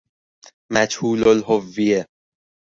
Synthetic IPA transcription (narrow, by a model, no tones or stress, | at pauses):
mæt̪huːlolhovːije